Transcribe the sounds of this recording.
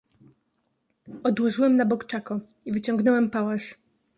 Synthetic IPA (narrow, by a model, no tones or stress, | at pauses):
ɔd̪wɔʐɘwɛmnabɔkt͡ʂakɔ | ivɘt͡ɕɔŋɡnɔwɛmpawaʂ